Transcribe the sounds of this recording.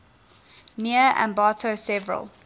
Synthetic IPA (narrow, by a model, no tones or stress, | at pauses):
niəʔã̰mbɑːˑtʰosɛvəɹə̰lˠ